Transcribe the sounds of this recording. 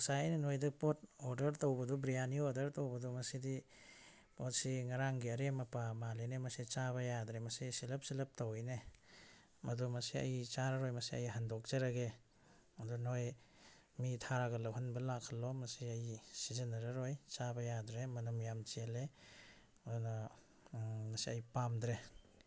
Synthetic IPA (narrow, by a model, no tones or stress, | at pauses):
saninojdɐpot̚oɾdɐɾtowbɐdubɾijanioɾdɐɾtowbɐdumɐsidi | pot̚siŋaɾaŋɡiɐɾemɐpamalenemɐsit͡ʃabɐjadɾemɐsisilɐp̚silɐp̚tawjne | mɐdumɐsiɐ̰jit͡ʃaɾaɾojmɐsiajɦandɔk̚t͡ʃeɾaɡe | ɐdunoj | mitʰaɾaɡɐlawɦanbɐlakʰːalːɔmɐsiɐjisizɐnaɾaɾojt͡ʃabɐjadɾemɐnɐmjamt͡ʃele | duna | mɐsiajpamdɾe